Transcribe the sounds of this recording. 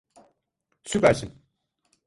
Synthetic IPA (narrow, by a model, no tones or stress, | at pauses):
sypæɾsin